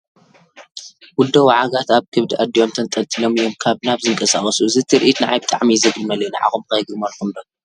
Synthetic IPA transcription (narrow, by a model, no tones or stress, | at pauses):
wʊd̪ɐwaʕaɡat̪aβkʰɨβd̪ɨʔad̪ijo̞mt̪ʰɐnt̪ʼɐlt̪ʼilomɨjomkʰaβnaβzɨŋkʼɐsaχʼɐsuɨzɨt̪ʰiɾʔit̪nɨʕa̰jbɨt̪ʼa̰ʕmizɐɡlmɐlɐjnaʕa̰xumkɐjɡɨmɐɾkʰumd̪ɐ